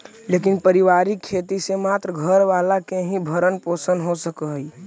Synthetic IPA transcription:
leːkɪnpəɾɪʋaːɾikʰːeːt̪isemaːt̪ɾəɡʱəɾʋaːlakeɦĩbʱəɾənpoːsənɦosəkəɦi

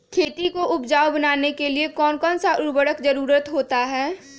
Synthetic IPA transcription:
kʰeːt̪ikoʔʊpd͡ʒaːwbɐnaːnekeliekɔːnkɔːnsaʔʊɾbəɽəkd͡ʒɐɾuːɾət̪ɦoːt̪aɦɛː

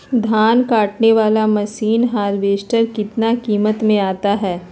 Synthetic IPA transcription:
d̪ʱaːnkaːʈneʋaːlamɐsiːnɦaːɾʋeːʃʈəɾkɪt̪nakiːmət̪mẽaːt̪aɦɛː

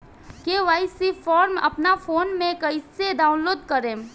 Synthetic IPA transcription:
keːʋaːɪsifɔːɾmɐ̰pnafoːnmẽkɐised̪aːʊ̃nloːd̪̚kɐɾẽː

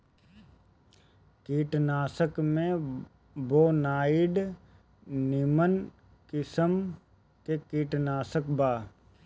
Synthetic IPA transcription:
kiːʈnaːsəkmẽ | boːnaːɪɖ | nɪmən | kɪsəm | kekiːʈnaːsəkbaː

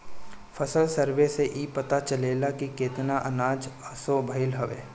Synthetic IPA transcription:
pʰɐsəlsəɾʋeseʔiːpɐt̪at͡ʃəleːlakikeːt̪naʔɐnaːd͡ʒəsobʱɐɪlɦɐʋḛː

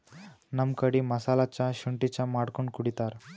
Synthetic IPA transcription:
nəmkəɽiməsalat͡ɕjaɕuɳʈit͡ɕjamaɽkuɳkuɽit̪aɾ

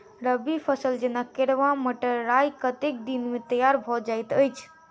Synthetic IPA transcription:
ɾəbipʰəsəld͡ʒenakeɾʋãməʈəɾajkət̪ek̚d̪inmet̪əjaɾbʱɔd͡ʒajt̪əjt͡ʃʰ

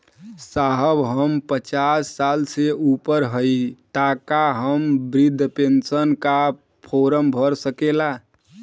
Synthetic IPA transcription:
saɦəbɦəmpət͡ʃasːalseupəɾɦəit̪akaɦəmbɾid̪ʱːpensənka | pʰoɾəmbʱəɾsəkela

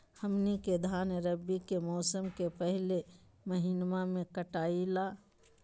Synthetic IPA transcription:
hɐmniked̪ʱaːnəɾəbːikemɔːsəmkepɛɦɪle | mɐɦinmamẽkəʈaːilaː

